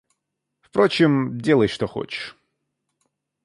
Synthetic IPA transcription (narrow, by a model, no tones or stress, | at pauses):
fpɾo̞t͡ɕɪmdʲe̞lˠəjʂt̪oxo̰t͡ɕɪ̥ʂ